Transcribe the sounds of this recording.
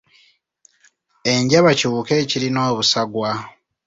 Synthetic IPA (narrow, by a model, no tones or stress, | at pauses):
e̞ɲɟaβaciuke̞ːcilino̞ːβusaɡwa